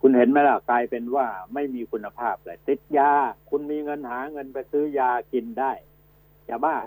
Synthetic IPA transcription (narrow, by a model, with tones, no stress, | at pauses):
kʰu˧nhe˨˩˦nma˧˩la˧˩klaː˧jpe˧nwaː˥˩ma˥˩jmiː˧kʰu˧nːa˧pʰaː˥˩p̚la˧˩t̪i˨˩t̪̚jaː˧kʰu˧nmiː˧ŋɤ˧nhaː˩˦ŋɤ˧npa˧jsɯː˦˥˩jaː˧ki˧ndaː˥˩j | jaː˧˩baː˥˩